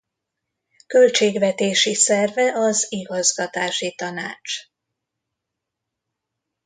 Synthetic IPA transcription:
kø̞lt͡ʃeːɡvɛt̪eːʃisɛrvɛʔɒziɡɒzɡɒt̪aːʃit̪ɒnaːt͡ʃ

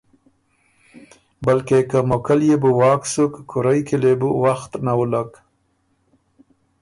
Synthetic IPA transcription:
balkekamokaljebuwɑːksukːʰʊɾajkelebuwaxt̪nawulaɡ

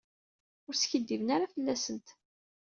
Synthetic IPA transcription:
ʊɾsçəd̪ːivənaɾafəlːæsənt̪

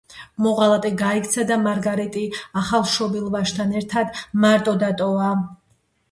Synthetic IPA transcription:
mɔʁalˠat̪ʼɛɡaik̚ʰt̪sʰad̪amaɾɡaɾɛt̪ʼiaχalˠʃɔbilˠvaʃt̪ʰanɛɾt̪ʰad̪maɾt̪ʼɔd̪at̪ʼɔva

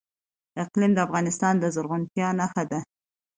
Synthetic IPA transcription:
ɪqlimd̪əafɣɑnɪst̪ɑnd̪əzʊɾɣʊnt̪jɑnaxad̪a

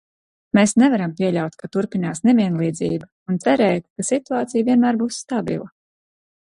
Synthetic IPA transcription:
meːsnɛvaɾampiɛʎʲawt̪kat̪uɾpinaːsneviɛnlˠiːd̪ziːbu | unt̪sɛɾɛːjt̪̚kasit̪uaːt̪sijviɛnmæːɾbuːsːt̪abḭlˠa

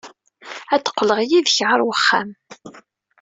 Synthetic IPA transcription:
æt͡s̪ə̥qːləʁjiðçʕəɾˤwəχːæ̰m

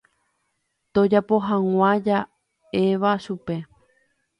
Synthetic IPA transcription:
t̪od͡ʒapo̞ɦãŋ̃ʷãd͡ʒa | e̞ʋaʃupe̞

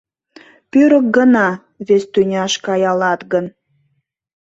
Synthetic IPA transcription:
pøɾək̚ɡənɑ | βest̪ynʲɑʃkɑjɑlɑt̪ɣən

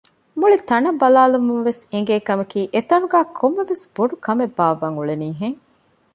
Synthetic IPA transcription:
muɭit̪ɐnɐbɐlaːlumunʋeseŋɡeːkɐmɐkiːʔet̪ɐnuɡæːkʰomːeʋesb̥oɖukɐmebːaːʋɐŋuɭeniːɦeŋ

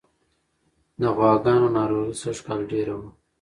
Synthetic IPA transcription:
d̪əɣwɑːɡɑːnonɑːɾoɣisɐʒkɑːlɖeɾawu

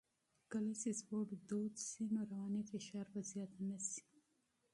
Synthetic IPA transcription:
kəlasespoʈd̪od̪sinoɾawɑnefɪʃɑɾbazjɑt̪anasi̥

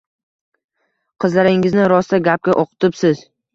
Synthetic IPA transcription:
qʰɨzlaɾɪŋɪznɪɾɒst̪aɡʲap̚kʲaʔoqʰɨ̥t̪ɪpsɪz̥

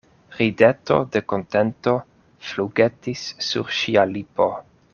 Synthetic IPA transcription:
ɾideto̰dekontento̞ | fluɡetisːṵɾʃialipo

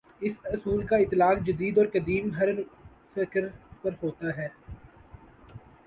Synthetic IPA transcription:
ɪsɐsuːlkaɪt̪ːɪlaːkd͡ʒɐd̪iːd̪ɔːɾkɐd̪iːmɦɐɾ | fɪkɾpɐɾɦoːt̪aɦɛː

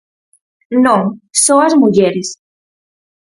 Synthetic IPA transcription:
nosoɐzmuʝeɾis

